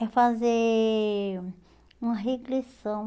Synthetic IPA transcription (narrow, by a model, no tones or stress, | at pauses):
ɛfaze | ũmɐɦeɡlisɐ̃w̃